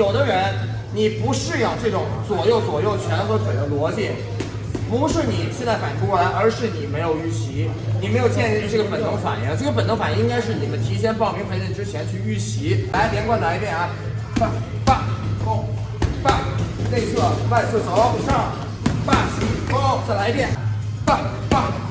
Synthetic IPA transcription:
jo˨˩ʊd̪ə˦ɻə˧˥n | ni˨˩pu˧˥ʂɻ̩˥˧jɑ˥˩ʊʈ͡ʂɤ˥˩ʈ͡ʂʊ˧˥ŋt͡swɔ˨˩jo˥˩ʊt͡swɔ˨˩jo˥˩ʊt͡ɕʰɥɛ˧˥nxɤ˧˥ʈ͡ʂə˨˩d̪ə˧˥lwɔ˧˥t͡ɕi˥˩ | pu˧˥ʂɻ̩˥˩ni˨˩ɕjɛ˥˧nt͡sa˥˩ɪpa˨˩nʈ͡ʂʰu˥kwɔ˥˩la˧˥ɪʔə˞˧˥ʂɻ̩˥˩ni˨˩me˧˥ɪjo˨˩ʊy˥˩ɕi˧˥ni˨˩me˧˥jo˨˩ʊt͡ɕjɛ˥˧n˥˧y˥˧ʈ͡ʂɤ˥˩ɡə˩pə˨˩nt̪ʊ˧˥ŋfa̰˨˩njɛ˧˥ŋʈ͡ʂɤ˥˩ɡə˩pə˨˩nt̪ŋfa˨˩ji˥ŋka˥ɪʂ̬ɻ̩˥˩ni˨˩mə˦nt̪ʰi˧˥ɕjɛ˥npɑ˥˩ŋmi˧˥pʰə˧˥t͡ɕi˥˩ʈ͡ʂɻ̩˥t͡ɕʰjɛ˧˥nt͡ɕʰy˥˧y˥˩ɕi˧˥la˧˥ɪljɛ˧˥nkwa˥˩nla˧˥ɪpjɛ˥˩na˧˩ | a˥˧˩ | pa˥˩o˥˩ | pa˥˩ne˥˧sʰɤ˥˩pa˥˧ɪsɹ̩˥˩t͡so˧˥˦ʊʂɑ˥˩ | pa˥˩ɕi˧˥kɔ˥˧ʊt͡sa˥˩ɪla˧˥ɪpjɛ˥˩n | pa˥˩ | pa˥˩

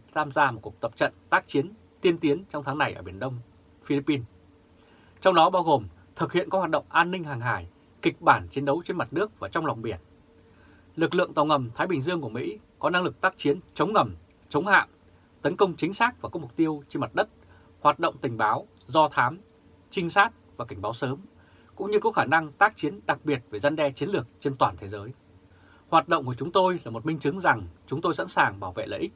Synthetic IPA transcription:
t̪ʰaː˧mzaː˧mo˨˩t̚ku˨˩ək̚t̪ə˨˩p̚t͡ɕə̰˧˨nt̪aː˦˥k̚t͡ɕi˨˦ən | t̪i˧əmt̪i˨˦ənt͡ɕɔ˧wŋ͡mt̪ʰːŋna˨˩jʔəː˧˩ɓi˧˩nɗə˧wŋ͡m | fi˧li˦˥pːi˧n | t͡ɕɔ˧ŋ͡mɗɔ˨˦ɓaː˧wɣo˨˩m | t̪ʰɨ˨˩k̚hḭ˧˨ənkɔ˨˦waː˨˩t̚ɗə̰˧˨wŋ͡mʔaː˧nːï˧ŋ̟haː˨˩ŋɦaː˧˩j | kï˨˩k̚ɓaː˧˩nt͡ɕe˨˦nɗə˨˦wt͡ɕe˧nma˨˩t̚nɨ˦˥ək̚vaː˨˩t͡ɕɔ˧wŋ͡mla˨˩wŋ͡mɓi˧˩ən | lɨ˨˩k̚lɨ̰˧əŋt̪ɔ˨˩wŋə˨˩mt̪ʰaː˨˦jɓï˨˩ŋ̟zɨ˧əŋku˧˩əmḭ˧˥kɔ˨˦na˧ŋlɨ˨˩k̚t̪aː˦˥k̚t͡ɕi˨˦ənt͡ɕə˨˦wŋ͡mŋə˨˩m | t͡ɕə˨˦wŋ͡mha̰ː˧˨w | t̪ə˨˦nkə˧wŋ͡mt͡ɕï˨˦ŋ̟saː˦˥k̚vaː˨˩kɔ˨˦mʊ˨˩k͡p̚t̪i˧əwt͡ɕi˧ma˨˩t̚ɗə˦˥t̚ | hwaː˨˩t̚ɗə̰˧˨wŋ͡mt̪ï˨˩ŋ̟ɓaː˨˦w | zɔ˧t̪ʰaː˨˦m | t͡ɕï˧ŋ̟saː˦˥t̚vaː˨˩ka˧˩ŋ̟ɓaː˨˦wsəː˨˦m | kʊ̰˧˥ŋ͡mɲɨ˧kɔ˨˦xaː˧˩na˧ŋt̪aː˦˥k̚t͡ɕi˨˦ənɗa˨˩k̚ɓi˨˩ət̚ve˧˩za˧nɗɛ˧t͡ɕi˨˦nlɨ˨˩ək̚t͡ɕe˧nt̪waː˨˩nt̪ʰe˨˦zəː˨˦j | hwaː˨˩t̚ɗə̰˧˨wŋ͡mku˧˩ət͡ɕʊ˨˦ŋ͡mt̪o˧jlaː˨˩mo˨˩t̚mï˧ŋ̟t͡ɕɨ˨˦ŋza˨˩ŋt͡ɕʊ˨˦ŋ͡mt̪o˧jsa̰˧˥nsaː˨˩ŋɓaː˧˩wvḛ˧˨lə̰ː˧˨ʔï˦˥k̚

